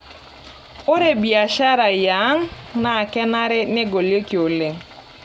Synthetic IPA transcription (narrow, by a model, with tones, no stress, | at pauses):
o˦ɾe˦bi˨a˨ʃa˦ɾa˨ja˨˦ŋna˨kɛ˦na˦ɾɪ˦ne˦ɡo˨lje˦ki˨o˨le˨ŋ